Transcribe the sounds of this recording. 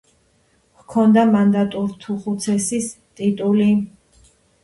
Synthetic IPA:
vkʰɔnd̪amand̪at̪ʼuɾt̪ʰuχut̪sʰɛsist̪ʼit̪ʼuli

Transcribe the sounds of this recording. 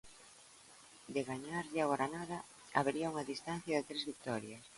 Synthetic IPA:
d̪eɣaɲaɾʎɪaɣɔɾanaðɐ | a̰βeɾiauŋaðist̪an̟θjɐðɪt̪ɾezβik̚t̪ɔɾjɐs

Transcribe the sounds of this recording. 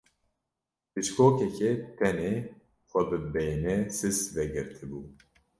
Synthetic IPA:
pɨt͡ʃkʰoːkɛkɛt̪ʰɛneː | xʷɛbɨbɛjnɛsɨsvɛɡɨɾt̪ʰɨbuː

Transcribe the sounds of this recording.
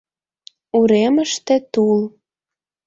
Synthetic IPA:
uɾeməʃt̪ĕt̪ul

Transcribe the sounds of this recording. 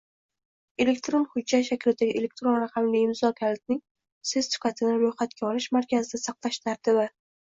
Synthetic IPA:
e̞lek̚ʲt̪ɾonχʊd͡ʒːat̪ʃakʲʰlt̪ːaɡʲɪʔele̞k̚ʲt̪ɾonɾaqʰɑmliɪmzɒkʲʰalt̪̚nɪŋʲ | sessʊ̥kʲat̪ʰɪnɪɾojχat̪̚kʲaɒlɪʃmaɾkʲazɪd̪asɑqlˠaʃt̪ʰaɾt̪ɪbɪ

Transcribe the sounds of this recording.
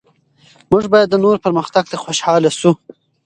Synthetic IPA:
mʊʐbɑjad̪ːənoɾpəɾməxt̪aɡ̚t̪əxoʃhɑlasu

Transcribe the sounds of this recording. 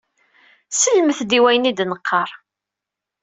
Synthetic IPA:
səlməθd̪iwæjnid̪nəqʰːɑɾˤ

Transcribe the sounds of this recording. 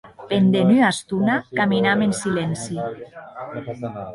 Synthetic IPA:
pend̪enyast̪unakaminamensilɛnsi

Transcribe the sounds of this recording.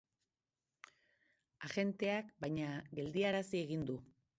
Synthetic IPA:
aʝe̞nt̪e̞akbajɲaɡe̞ld̪iaɾasie̞ɣind̪u

